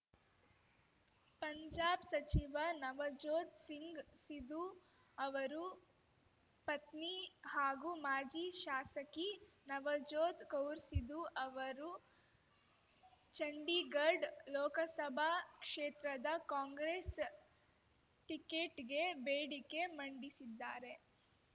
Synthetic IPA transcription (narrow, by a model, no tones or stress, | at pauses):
pɐɲd͡ʒaːbsɐt͡ʃiʋɐnɐʋɐd͡ʒoːd̪siŋɡsid̪u | ɐʋɐɾu | pɐt̪nihaːɡumaːd͡ʒiʃaːsɐki | nɐʋɐd͡ʒoːd̪kɐwɾsid̪uʔɐʋɐɾu | t͡ʃɐɳɖiɡɐɾɖlɔːkɐsɐbʱakʂeːt̪ɾɐd̪ɐkaːŋɡɾes | ʈikeːʈɡebeːɽike̞mɐɳɖisid̪ːaːɾe̞